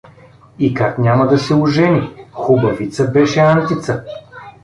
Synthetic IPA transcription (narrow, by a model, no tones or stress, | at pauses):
ikaknʲamɐd̪ɐsɛuʒɛnixubɐvit̪səbɛʃɛant̪it̪sə